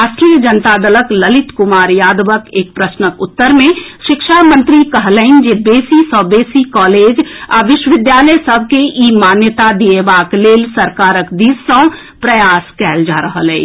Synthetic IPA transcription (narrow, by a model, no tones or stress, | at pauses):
aːsʈɾijəd͡ʒənt̪ad̪ələkləlɪt̪kʊmaːɾjaːd̪ʋəkeːk̚pɾəsnəkʊt̪ːəɾmẽʃɪkʃamə̃nt̪ɾikəɦləɪnd͡ʒebeːsisɔːbeːsikɔːleːd͡ʒa̰ʋɪʃwəʋɪd̪jaːləjsəb̚ʱkeʔiːmaːnjət̪ad̪iebaːkleːlsəɾkaːɾəkd̪iːsːə̃ | pɾəjaːskɛːld͡ʒaːɾəɦəlɛ̰ː